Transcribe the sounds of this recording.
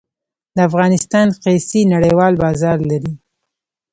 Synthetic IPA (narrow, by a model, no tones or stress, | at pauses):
d̪əafɣɑnɪst̪ɑnqesinaɽəjwɑlbɑzɑɾlaɾi